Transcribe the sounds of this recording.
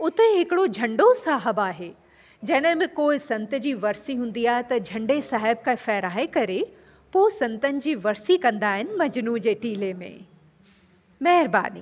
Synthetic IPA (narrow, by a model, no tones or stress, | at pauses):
ʊt̪eɦɪkɪɽod͡ʑʱɐ̃ɳɖosaːɦəbaːɦeː | d͡ʑɐɪnəɦɪ̃mɪ̃koːɪsɐ̃nt̪ɪ̆d͡ʑiːʋɐɾsiɦũːn̆d̪iaːɦɪt̪ɐd͡ʑʱɐ̃ɳɖesaːɦɪb̚kafɛːɾaːekɐɾe | poːsɐ̃nt̪ənɪ̆d͡ʑiːʋɐɾsikɐ̃nd̪aːɦɪnɪ̆mɐd͡ʑnuːd͡ʑeːʈiːlemḛ̃ | mɛɦɪɾba̰ːnḭː